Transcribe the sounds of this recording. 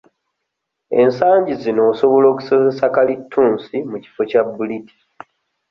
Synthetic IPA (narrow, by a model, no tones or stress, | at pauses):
e̞nsaːɲɟizino̞ːso̞βo̞lo̞ːku̥so̞zesakalitʰːuːnsimuci̥fo̞cabːuliti̥